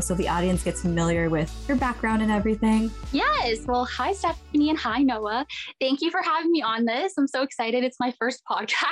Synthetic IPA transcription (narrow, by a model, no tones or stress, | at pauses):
soʊðiʔɔɾiɨ̃nsɡ̥ɛtsfɨmɪlˠjə˞wɪð̥jə˞bæk̚ɡ̥ɹãʊ̃ndɨ̃nɛvɹiθɪ̃ŋjɛswɛlˠhaɪstɛp̚niɨ̃nhaɪnoʊəθæ̃ŋkjɨfə˞hævɪ̃ŋmiə̃nðɪsãɪ̃msoʊɨksaɪɾɨɾɨtsmaɪfɜ˞st̚pʰɑd̚kʰæs